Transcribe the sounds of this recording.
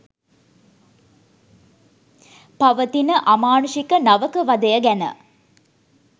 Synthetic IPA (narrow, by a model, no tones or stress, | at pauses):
paʋət̪inəʔamaːnuʃikənaʋəkəʋɐd̪əjəɡænə̰